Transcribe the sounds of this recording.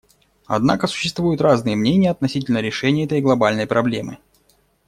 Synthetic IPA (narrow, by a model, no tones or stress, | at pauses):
ɐ̰d̪na̰kəsʊ̥ɕːɪst̪vujʊt̪raznɨjəmnʲenʲɪjəɐt̪nɐsʲitʲɪlʲnəɾʲɪʂɛnʲɪjɛt̪əjɡlˠɐbalʲnəjpɾɐblʲe̞mɨ̰